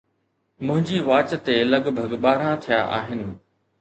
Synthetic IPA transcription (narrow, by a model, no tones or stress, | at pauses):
mʊ̃ɦɪ̃ɲd͡ʑiʋaːt͡ɕt̪elɐɡbʱəɡɓaːɾãt̪ʰija̰ʔa̰ːɦɪnɪ̆